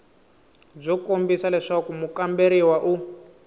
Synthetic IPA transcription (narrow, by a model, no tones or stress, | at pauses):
b͡ʐɔkombisalɛʂakumukambeɾiwaʔu